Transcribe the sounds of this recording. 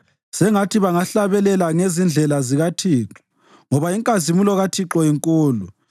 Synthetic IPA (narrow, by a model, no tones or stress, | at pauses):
sɛŋatʰiβaŋaɬaβɛlɛlaŋezind͡ɮʱɛlaziɣatʰiːǁɔ̥ | ŋɔβaiŋkʼazimulɔɣatʰiǁɔiŋkʼuːlu